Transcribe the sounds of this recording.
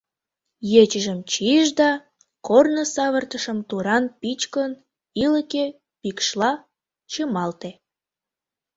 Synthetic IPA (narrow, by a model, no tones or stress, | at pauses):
jet͡ɕəʒəmt͡ɕiʒd̪ɑ | kornəsɑβərt̪əʃəmt̪uɾɑnpit͡ɕkən | iləke | pikʃlɑ | t͡ɕəmɑlt̪e